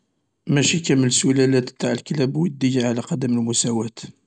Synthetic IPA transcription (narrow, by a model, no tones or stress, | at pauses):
mæʃikæməlsulælæt̪t̪ːaʕəlklæbwəd̪ːəjaʕlæqɑd̪əməlmʊsæwæt̪